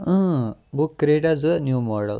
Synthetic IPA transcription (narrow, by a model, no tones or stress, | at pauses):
ə̃bukːɾeʈad͡zənjuːmɔɖə̰l